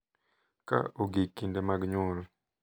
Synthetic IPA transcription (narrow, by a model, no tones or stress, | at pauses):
ka̰oɡikːindemaɡɲoɾo